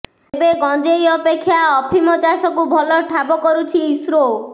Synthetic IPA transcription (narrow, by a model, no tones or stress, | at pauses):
ebeɡɔ̃d͡ʒejɔpekʰːjaɔpʰimɔt͡ʃasɔkubʱɔlɔʈʰabɔkɔɾut͡ʃʰiːsɾo